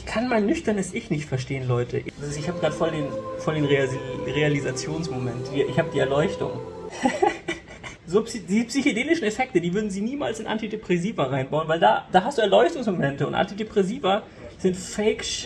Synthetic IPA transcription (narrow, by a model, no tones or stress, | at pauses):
çkʰanmaɪnːʏçtɐnəsʔɪçnɪçtfɛɐʃteːənlɔʏtʰə̰ʔɪd̥asɪsɪçhaːbəɡʁaːdəfɔldeːnfɔldeːnʁeaiʁealizat͡sjoːnsmomɛntv̥iːɐʔɪçhaːbəd̥iːɛɐlɔʏçtʊ̰ŋ | zoːpsd̥iːzəpsyçideːnɪʃn̩efɛk̚tədiːvʏɐdn̩ziːniːma̰ːlsɪnʔa̰ntidepʁ̥ɛsiːvɐʁaɪnbaʊnvaɪldaːd̥aːɦastd̥uːɛɐlɔʏçtʊŋsmomɛntəʊ̰ntʔa̰ntidepʁ̥ɛsiːvɐ | z̥ɪntfɛɪkʃ